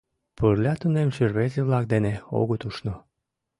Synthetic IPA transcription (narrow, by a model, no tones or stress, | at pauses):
pərlʲɑt̪unemʃərβezeβlɑk̚d̪eneo̰ɣot̪uʃno